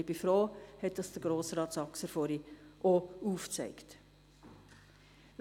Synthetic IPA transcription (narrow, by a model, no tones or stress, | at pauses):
bifɾoːhɛt̚d̥ɑsd̥əɾɡ̥ɾoːsɾɑːtsɑksɛɾfoːɾiʔouːft͡sɛɪkt